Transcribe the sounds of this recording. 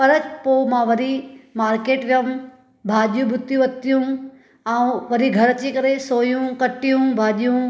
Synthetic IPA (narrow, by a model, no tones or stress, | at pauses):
pɐɾəpoːmãʋɐɾimaːɾkeːʈʋjəm | bʱaːʄjũɓʊt̪ːijũʋɐt̪ijũ | aũʋɐɾiɡʱɐɾɐt͡ɕikɐɾesoːjũkɐʈijũbʱaːɗijũ